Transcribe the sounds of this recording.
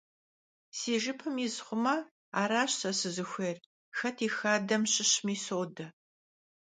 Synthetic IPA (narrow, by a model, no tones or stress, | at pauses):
siːʒɪpʰɐmizχʷʊmɐ | aːɾaːɕsɐsɨzɨxʷeːr | xɐtʰiːxaːdɐmɕɪɕmiːsoːdɐ